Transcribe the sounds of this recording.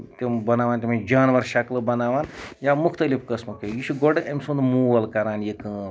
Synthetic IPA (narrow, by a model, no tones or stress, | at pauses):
t̪ʲembɐnaːʋaːnt̪̬ʲemãd͡ʒaːnʋɐɾʃɐklɨbɐnaːʋaːnjamukʰt̪ɐlipkɐsmɐkʰejiʃʰuɡɔɖɨʔemʲsund̪muːʋɐlkɐɾaːnjekɨːn